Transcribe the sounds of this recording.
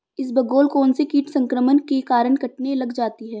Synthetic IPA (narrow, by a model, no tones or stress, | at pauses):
ɪs̬bɐɡoːlkɔːnsekiːʈsɐ̃ŋkɾəmənkekaːɾəɳkɐʈnelɐɡd͡ʒaːt̪iɦɛː